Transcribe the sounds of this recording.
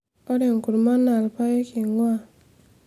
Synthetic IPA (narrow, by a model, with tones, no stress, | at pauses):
o˦ɾe˨ŋ˨ku˨ɾma˦nːa˨lpa˦je˦ki˨ŋwa˦˨